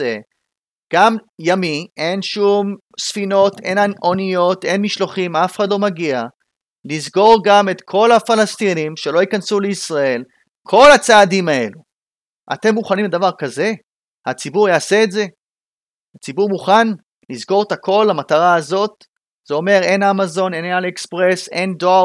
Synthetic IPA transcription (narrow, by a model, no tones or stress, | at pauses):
e | ɡ̥amjamie̞nʃum | sfino̞t̪e̞̰nao̞nijo̞t̪e̞nmiʃloχimafeχad̪lo̞maɡia | lizɡo̞ʁɡame̞t̪kʰo̞lhafalast̪inimʃe̞lo̞ikansuleisʁae̞l | kʰo̞lat͡saːdimae̞̰lu | ʔa̰te̞mːuχanimbed̪avaʁkaze̞ | hat͡sibuʁjaːse̞ːtze̞ | at͡sibuʁmuχan | lizɡo̞ʁet̪hakʰo̞lːamataʁaːzo̞t̪̚ | z̥eo̞me̞ʁe̞namazo̞nenalekspʁe̞se̞ndoa